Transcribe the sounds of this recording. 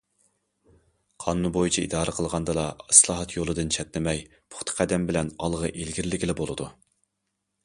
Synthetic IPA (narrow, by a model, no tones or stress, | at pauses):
qʰɑːnunbojit͡ʃʰiḭd̪ɑːɾɨqʰəlˠʁɑnd̪ɨlˠɑɨslˠɑːɦɑt̪jolˠɨd̪ɨnt͡ʃʰɛt̪lɪmɛj | pʰʊ̥χt̪ʰə̥qʰɛd̪ɛmbɪlɛnɑlˠʁɑʔelɡʲiɾlːɪkʲilɪbolˠɨd̪u